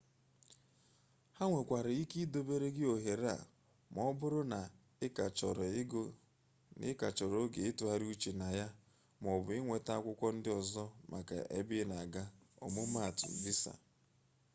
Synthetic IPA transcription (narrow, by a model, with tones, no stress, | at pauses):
ha˦ŋʷe˨kʷa˨ɾɪ˨i˦ki˦do˨be˦ɾe˦ɡɪ˦o˨ɦe˨ɾa̰˨ | mɔ˦bʊ˦ɾʊ˦na˨˦˨ | t͡ʃɔ˨ɾ | nɪ˦ka˨t͡ʃɔ˨ɾo˦ɡe˨e˦tu˨a˨ɾu˦t͡ʃi˨na˨ja˦ | m˨ɔ˨bʊ˨ɪ˦ŋʷe˨ta˦a˦˨kʷʊ˦kʷɔ˦n̩˦dɪ˦ɔ˨zɔ˦mʔa̰˨ka̰˨ʔe˦bɪ˦na˨ɡa˦ɔ̰˨mʊ˦ma˦˨tʊ̰˨bi˦sa̰˨